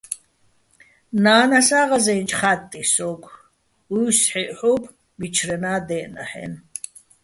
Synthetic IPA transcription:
naːnasaːʁazɛnt͡ʃʼχat̪ʼːisɔkʰʷ | ujsħiʔħupʰ | bit͡ʃʰrɛnaːd̪ɛːʔna̰ħɛ̰n

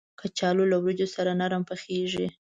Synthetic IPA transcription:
kat͡ʃɑlolawɾid͡ʒosaɾanaɾampəxeʒi

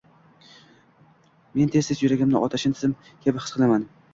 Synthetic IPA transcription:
me̞nt̪ʰe̞zd̪ɪzjʊɾaɡʲɪmnɪʔɒt̪ʰaʃɪnt̪ʰɪ̥zɪm | kʲʰabɪɨ̥sqʰɨlˠaman

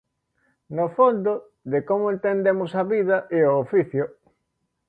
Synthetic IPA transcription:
nofond̪o | ðekomoẽnt̪end̪emosɐβiðɐʔeoofiθjo

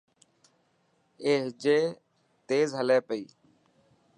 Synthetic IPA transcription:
eːɦd͡ʒeː | t̪eːzɦəleːpəiː

